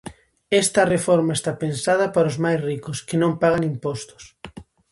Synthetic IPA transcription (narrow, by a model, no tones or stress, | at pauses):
est̪ɐrefɔɾmaest̪apensað̞ɐpaɾozmajsrikoskɪnõmpaɣaŋimpɔst̪ʊ̥s